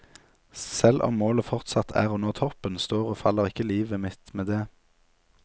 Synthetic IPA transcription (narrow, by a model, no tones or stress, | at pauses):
sɛlʔɔ̰mːoːləfɔʁt̪sɑt̪ʰæ̰ːʁoːnoːt̪ʰɔpənst̪oːʁoːfɑləʁɪkəliːʋəmɪt̪meːd̪eː